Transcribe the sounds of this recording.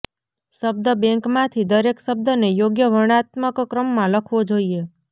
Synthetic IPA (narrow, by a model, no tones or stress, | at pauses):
ʃəb̚d̪əbẽŋkmãt̪ʰid̪əɾekʃəb̚d̪ənejoɡjəʋəɽ̃at̪məkkɾəmːãləkʰʋod͡ʒoie